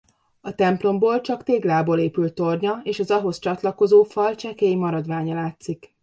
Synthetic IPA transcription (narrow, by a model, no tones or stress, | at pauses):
ɒt̪ɛmplo̞mboːlt͡ʃɒkt̪eːɡlaːboːleːpylt̪ːo̞rɲɒeːʃɒzɒɦo̞st͡ʃɒt̪lɒko̞zoːfɒlt͡ʃɛkɛjimɒɾɒd̪ʋaːɲɒlaːt̪sik